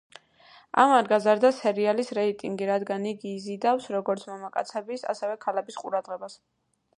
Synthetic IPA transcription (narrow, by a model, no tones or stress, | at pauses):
a̰maɾɡazaɾd̪asɛɾialisɾɛit̪ʼiŋɡiɾad̪ɡaniɡiːzid̪afsɾɔɡɔɾt̪sʰmamakʼa̰t̪sʰɛbisa̰sɛvɛkʰalɛbisqʼṵɾad̪ʁɛbas